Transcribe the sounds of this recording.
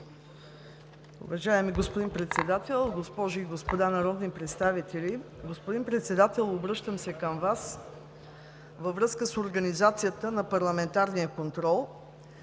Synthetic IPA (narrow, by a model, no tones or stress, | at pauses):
ʊ̰vɐʒaɛmiɡospʊd̪inpɾɛt̪sɛd̪at̪ɛlˠɡospɔʒʊiɡospod̪anɐɾɔd̪nipɾɛt̪st̪avit̪ɛlʲiɡospʊd̪inpɾɛt̪sɛd̪at̪ɛlˠobɾɤʃt̪əmsɛkəmvas | vəvɾɤskəsoɾɡɐnizat̪sijət̪ənɐpɐɾlˠɐmɛnt̪aɾnijəkont̪ɾɔlˠ